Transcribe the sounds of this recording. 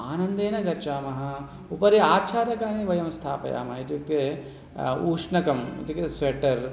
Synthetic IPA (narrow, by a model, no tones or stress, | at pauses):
aːnɐnd̪eːnɐɡɐɾt͡ʃaːmɐɦɐ̆ | upɐɾeaːt͡ʃʰaːɾɐkaːneʋɐjɐmst̪ʰaːpɐ̰ja̰ːmɐɦɐit̪jut̪e | uːʂɳɐkɐmḭt̪iksʋeʈːɐɾ